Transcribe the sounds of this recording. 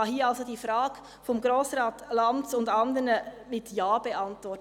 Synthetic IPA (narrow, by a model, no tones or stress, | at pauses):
ɑhiːəɑlsodiːfɾɑːɡ | fɔmɡɾoːsɾɑːtlɑnt͡sʊndɑndəɾnə | mɪtjaːbɛɑntʋɔɾt